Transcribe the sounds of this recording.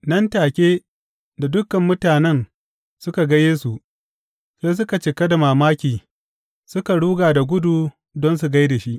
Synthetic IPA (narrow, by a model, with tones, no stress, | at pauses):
nɐ˦ntaː˨kʲeː˦ | da˨dʊ˦kɐ˨mːʊ˦taː˨nɛ˦n | sʊ˦ka˨ɡɐ˦jeː˦su˨ʔ | seː˦s̬ʊ˦ka˨t͡ʃɪ˨kɐ˦da˨maː˨maː˦kʲiː˨ | sʊ˦ka˨ɽuː˦ɡaː˨da˨ɡʷʊ˦duː˨ | dɔ˦ns̬u˨ɡa˦jda˨ʃi˦ʔ